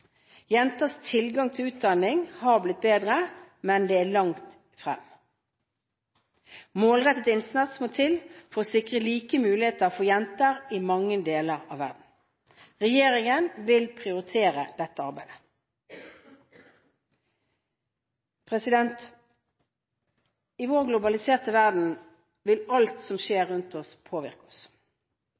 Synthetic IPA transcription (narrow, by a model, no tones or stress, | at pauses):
jɛnt̪əst̪ʰɪlɡɑŋt̪ʰɪlʉːt̪̚d̪ɑnɪŋhɑblɪt̪̚beːd̪ʁəmɛnd̪eːæːlɑŋt̪ | fʁɛ̰m | moːlʁɛt̪ət̪ɪnsnɑt̪smot̪ʰɪlfɔʁoːsɪkʁəliːkəmʉːlɪheːt̪əfɔːjɛnt̪əʁɪmɑŋːəd̪eːləʁɑ̰ːʋæ̰ʁd̪n̩ | ʁɛjeːʁɪŋənʋɪlpʰʁɪʊʁɪt̪ʰeːʁəd̪̥ɛt̪ːəɑʁbæɪd̪ə̥ | pʰʁɛsɪd̪ɛnt̪ | iːʋoːʁɡlʊbɑlɪseːʁt̪əʋæʁd̪n̩ | ʋɪlɑlt̪sɔmʃeːʁʉnt̪ɔspʰoːʋɪ̰ʁkɔs